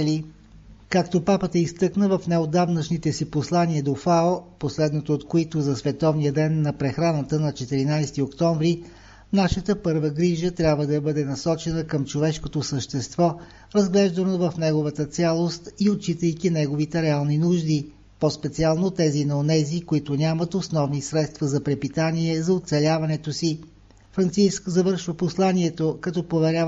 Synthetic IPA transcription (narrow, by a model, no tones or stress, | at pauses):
li | kakt̪opapət̪əist̪ɤknəvɐfnɛod̪avnət͡ʃnit̪ɛsiposlˠaniəd̪ofaoposlɛd̪not̪oːt̪koit̪ozɐsvɛt̪ɔvnijəd̪ɛnːɐpɾɛxɾanət̪ənɐt͡ʃɛt̪iɾinajst̪iokt̪ɔɱvɾi | naʃət̪əpɤɾvəɡɾiʒət̪ɾʲjabvəd̪ɐbɤd̪ɛnɐsɔt͡ʃɛnəkəmt͡ʃovɛʃkot̪osəʃt̪ɛst̪vɔ | ɾɐzɡlɛʒd̪ɐnovɐfnɛɡovət̪ət̪sʲalˠost̪iott͡ʃit̪əjkinɛɡovit̪ɛɾɛalˠninuʒd̪i | pɔspɛt̪sialˠnot̪ɛzinɐonɛzikoit̪ʊnʲamət̪osnɔvnisɾɛt̪st̪vɐzɐpɾɛpit̪aniɛzɐot̪sɛlʲavɐnɛt̪osi | fɾɐnt̪siskzɐvɤɾʃvəposlˠanʲiɛt̪okɐt̪ɔpovɛɾʲja